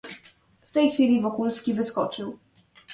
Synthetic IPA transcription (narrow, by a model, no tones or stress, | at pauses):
ft̪ɛjxfʲilʲivɔkulskʲivɘskɔt͡ʂɘw